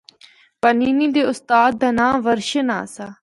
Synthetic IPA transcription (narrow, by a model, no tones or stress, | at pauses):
pəniːniːd̪eːʊst̪aːd̪̚d̪aːnãːʋəɾʃəna̰ːsaː